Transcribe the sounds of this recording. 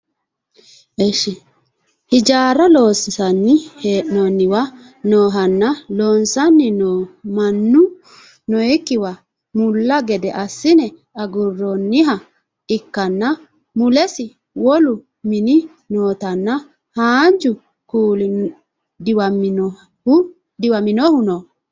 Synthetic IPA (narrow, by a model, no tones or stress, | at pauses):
ʔɛʃɪ | hɪd͡ʒaːɾɐlo̞ːsɪsɐnːɪheːʔnɔnːɪwɐ | noːɦɐnːɐloːnsɐnːɪnomɐnːʊ | nɔjɛkːɪwɐ | mʊlːɐɡɛd̪ɛʔɐsːɪnɛ | ɐɡʊrːɔnːɪɦɐ | ɪkːɐnːɐ | mʊlɛsɪ | wɔlʊ | mɪnɪ | noːt̪ɐnːɐ | haːnd͡ʒʊ | kuːlɪ | d̪ɪwɐm | hʊ | d̪ɪwɐmɪnɔhʊnɔ